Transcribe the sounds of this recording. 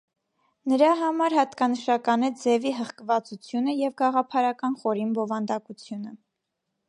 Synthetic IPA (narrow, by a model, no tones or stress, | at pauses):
nəɾɑɦɑmɑɾɦɑt̪kɑnəʃɑkɑnɛd͡zɛviɦəχkəvɑt͡sut͡sʰjunəjɛvɡɑʁɑpʰɑɾɑkɑnχɔɾinbɔvɑnd̪ɑkut͡sʰjunə